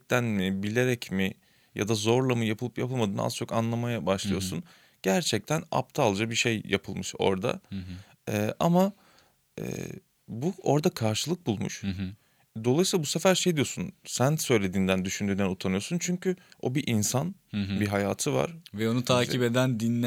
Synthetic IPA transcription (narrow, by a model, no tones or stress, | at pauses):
ɛc̚t̪ʰænmɪbilʲe̞ɾɛcmi | ja̰d̪azo̞ɾlˠamɯjapʰɯlˠɯpjapʰɯlˠmad̪ɯːn̰a̰z̥t͡ʃʰo̞kanlˠamajabaʃlˠɯjo̞sun | ɟ̥æɾt͡ʃʰɛc̚t̪ʰæna̰pt̪ʰaalˠd͡ʒabiʃe̞jja̰pʰɯlˠmɯʃo̞̰ɾd̪a̰ | ɛːʔa̰ma | ɛ̰ː | buo̞ɾd̪akʰaɾʃɯlˠɯk̚bulˠmṵʃ | d̪o̞lˠajsilˠabuse̞fæɾʃejad̪ijo̞sunsænsø̞jlʲe̞d̪iːnd̪ænd̪yʃynd̪yːnænut̪ʰanɯjo̞sunt͡ʃʰyɲcʰyo̞biʔinsanbiɦajaːt̪ʰɯva̰ɾ̥vɛo̞nut̪ʰaːciped̪ænd̪inːɛ